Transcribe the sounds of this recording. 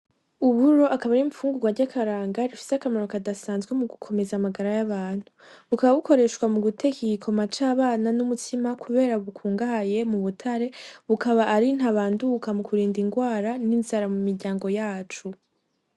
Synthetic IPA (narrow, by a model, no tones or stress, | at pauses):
uβuɾo̞ʔakaβaɾiɱfuːŋɡuɡwaɾɟakʰaɾaːŋɡaɾifi̥seakamaɾokadasaːnzɡwe̞muɡukʰo̞me̞zamaɡaɾajaβaːn̥hu | βukaβaβuko̞ɾe̞ʃkwamuɡutʰe̞kikʰo̞mat͡ʃaːβaːnanumutʰimakuβe̞ːɾaβukʰuːŋɡahaje̞muβutʰaɾe̞βukʰaβaʔːɾin̥haβaːndukamukʰuɾiːndiŋɡwaːɾaninzaɾamumiɾɟaːŋɡo̞jaːt͡ʃu